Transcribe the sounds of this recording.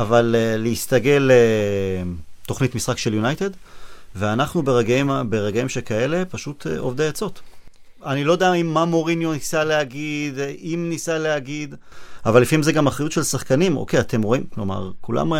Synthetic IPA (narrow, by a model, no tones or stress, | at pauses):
avaleːeist̪aɡe̞le | t̪o̞χnitmisχakʃe̞ljunajte̞d̪veanaχnubeʁeɡimbeʁeɡaimʃekae̞le̞paʃut̪ʰḛo̰vd̪eat͡so̞t̪ | anilo̞d̪eaimːamo̞ʁinjonisaleaɡid̪imnisaleaɡid̪ | avalːifaimzeɡamaχʁajutʃelsaχkanimʔo̰kejat̪e̞mʁo̞imklo̞ma̰ʁkula̰m